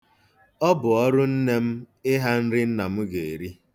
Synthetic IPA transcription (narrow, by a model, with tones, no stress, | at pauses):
ɔ˦bʊ˨ɔ˦ɾʊ˦n̩˦ne˦m̩˦ | ɪ˦ɦa˦n̩˦ɾɪ˦n̩˦na˨m̩˦ɡe˨e˨ɾi˦